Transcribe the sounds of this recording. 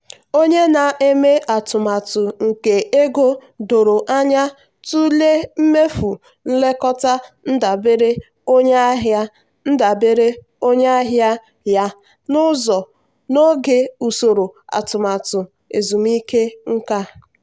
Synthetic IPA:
o˦ɲe˦na˨ʔe˦me˦ʔa˨tʊ˨ma˨tʊ˨ŋ̩˨ke˨e˦ɡo˦do˨ɾo˨ʔa˦ɲa˦ | tu˦le˦m̩˦me˦fu˨ | n̩˦le˦kɔ˦ta˦n̩˦da˨be˦ɾe˦ | o˦ɲe˦a˦ɦja˦ | n̩˦da˨be˦ɾe˦ | o˦ɲ˦a˦ɦja˦ | ja˦ | nʊ˦zɔ˨ | no˦ɡe˨u˨so˨ɾo˨a̰˨tʊ˨ma˨tʊ˨ | ḛ˨zu˨m˦i˦ke˦ŋ̩˦ka˦

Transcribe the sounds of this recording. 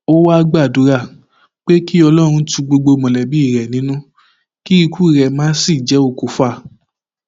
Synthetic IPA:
o˦wa˦˧ɡ͡ba˦˨du˨˦ɾa˦˨ | k͡pe˦ki˦ɔ˧lɔ˦ɾ̃ũ˧tu˧ɡ͡bo˧ɡ͡bo˧mɔ̃˨lɛ˨bi˨˦i˦˨ɾɛ˨nĩ˨˦nũ˦ | ki˦i˧kʰu˦i˦˨ɾɛ˨˧mãː˦si˦˨d͡ʒɛ˨˦o˦˨ku˨˦fa˦˨

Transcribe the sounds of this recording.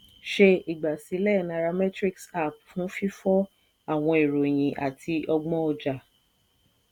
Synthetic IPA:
ʃe˧i˨ɡ͡ba˨si˨˦lɛ˦˨nã˧ɾa˧mɛ˦tɾi˦ksa˦˨pfũ˨˦fi˦fɔ̃˦ | a˦˨w̃ɔ̃˧e˨ɾo˨j̃ĩ˨ʔa̰˨tʰi˧ʔɔ˧ɡ͡bɔ̃˦ɔ˧d͡ʒa˨

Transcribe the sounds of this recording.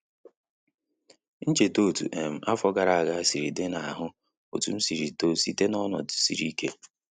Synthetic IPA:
n̩˦t͡ʃe˨to˦˨tṵ˨ʔe˨m̩˨a˦fɔ˦ɡa˨ɾa˨a˨ɡa˦a˦si˨ɾi˨dɪ˦na˨a˨ɦʊ˦ | o̰˨tu˨m̩˦si˨ɾi˨to˦si˦te˦nɔ˦nɔ̰˨dsḭ˨ɾi˦ke˦

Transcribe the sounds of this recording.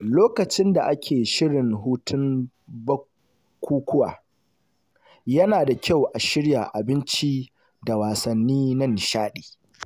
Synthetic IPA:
loː˦kɐ˨t͡ʃɪ˦nda˨ʔa˦kʲʰeː˨ʃɪ˦ɽɪ˨ŋɦuː˦tʰʊ˦m | bɐ˦ | kʷːuː˦kʷʊ˦wa̰ː˨ | jɐ˦naː˨da˨kʲʰa˦˨wʔa˨ʃɪ˦ɽja˨ʔa˨bɪ˦nt͡ʃi˦ | da˨waː˨sɐ˨nːiː˦nɐ˦˨nʃaː˦ɗi̥ː˨

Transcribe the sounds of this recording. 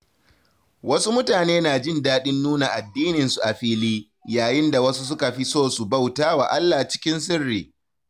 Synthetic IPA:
wɐ˦su˦mʊ˦taː˨neː˦naː˨d͡ʒɪ˦ndaː˦ɗɪ˦nːuː˦na˨ʔa˨dːiː˦nɪ˨nsu˨ʔa˨ɸiː˦liː˦ | jaː˨jɪ˦nda˨wɐ˦su˦s̬ʊ˦ka˨ɸi˦soː˦˨su˨ba˦wtaː˦wa˨ʔa˦lːaː˨t͡ʃɪ̥˦kʲɪ˦ns̬ɪ˦rːiː˨

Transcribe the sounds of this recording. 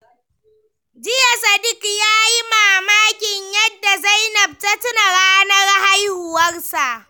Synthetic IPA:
d͡ʒɪ˦ja˨sɐ˨dɪ˦kjaː˦ji˦maː˨maː˦kʲɪ˨ɲjɐ˦dːa˨za˦jnɐ˨b̚tɐ˦tʊ˦na˨ɽaː˦nɐ˦rha˦jhʊ˨wɐ˦rsa˨ʔ

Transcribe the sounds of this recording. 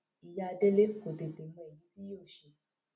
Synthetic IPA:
i˨ja˧a˧de˦le˨˦ko˨te˨te˨mɔ̃˧˦e˨jĩ˨˦ti˦o˦˨ʃe˧˨

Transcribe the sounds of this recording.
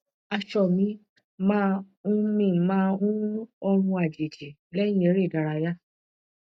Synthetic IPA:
a˧ʃɔ˨mĩ˨˦ | mãː˦ | ũ˦mĩ˦˨mãː˦˧ũ˦ɔ˧ɾ̃ũ˧a˨d͡ʒe˨d͡ʒe˨ | lɛ˦j̃ĩ˦e˨˦ɾe˦˨da˨˧ɾa˧ja˦

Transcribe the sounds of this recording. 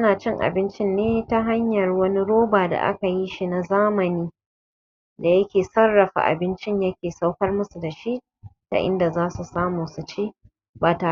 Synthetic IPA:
ʔɐ˦naː˨t͡ʃɪ˦ŋʔa̰˨bɪ˦nt͡ʃɪ˦nːeː˦ta˦ɦa˦ɲjɐ˨rwɐ˦ni˦ɽoː˦baː˨da̰˨ʔa̰˦ka˨ji˦ʃi˦na˨zaː˦mɐ˨niː˦ | da˨jɐ˦kʲeː˨sɐ˦rːɐ˨ɸa̰˨ʔa̰˨bɪ˦nt͡ʃɪ˦ɲjɐ˦kʲeː˨sa˦wkɐ˦rmʊ˦su˨da˨ʃi˦ʔ | ta̰˨ʔɪ̰˦nda˨zaː˦su˨saː˦muː˨su˨t͡ʃeː˦ | baː˨taː˨˦

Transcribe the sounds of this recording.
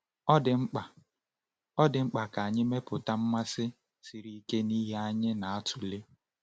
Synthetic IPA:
ɔ˦dɪ˨ŋ͡m̩˦k͡pa˨ | ɔ˦dɪ˨ŋ͡m̩˦k͡pa˨ka˨a˨ɲɪ˦me˦pʊ˨ta˦m̩˦ma˦sɪ˦ | si˨ɾi˦i˦ke˦ni˦ɦe˦a˦ɲɪ˦na˨a˦tʰʊ˨le˦

